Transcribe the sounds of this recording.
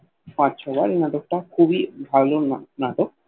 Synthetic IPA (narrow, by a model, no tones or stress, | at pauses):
pãʃʰɔbaɾenaʈok̚ʈakʰubibʱalonaʈok̚